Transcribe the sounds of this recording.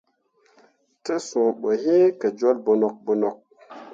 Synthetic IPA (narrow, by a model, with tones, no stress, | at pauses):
tə˦sũ˨ɓə˨hĩ˦kə˨d͡ʒo˦lbo˨nɔ˨k̚bo˨nɔ˨k̚